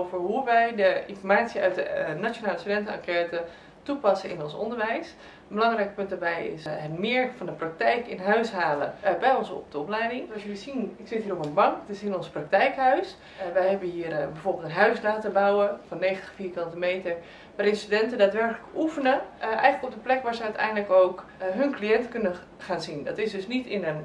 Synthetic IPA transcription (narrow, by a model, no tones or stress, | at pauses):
ovəɹɦuʋɛjdəɪnfɔɹmaːtsiœ̰ɥt̚dənat͡ʃjonaːləstydɛntənakɛɹtə | tupɑsənɪ̰nɔnsɔ̰ndəɹʋɛjs | ənbəlɑŋrɛjk̚pʏntdaːɹbɛjɪ̰sɦətmɪːɹfɑndəprak̚tɛjkɪnɦœɥsɦaːlə̰bɛjɔnsɔ̰p̚dəɔplɛjdɪŋɑsjəʋisinɪksɪtɦiːrɔpənbɑŋktɪsɪnɔnsprak̚tɛjkɦœɥs | ʋɛjɦɛbənɦiːərbɛvolˠbəlˠtənɦœɥslaːtəbawəfɔnːejxχəntə̥χfiːɹkɑntimejtəɹ | ʋaːɾɪnstydɛntədaːtʋɛɹkələkufənəʔɛjχənləkɔp̚dəplɛkʋaːɹzəœtɛ̰jndləkoːkɦɵnklijɛntəkønə | χaːnzindɔtɪsdɵsnitɪnən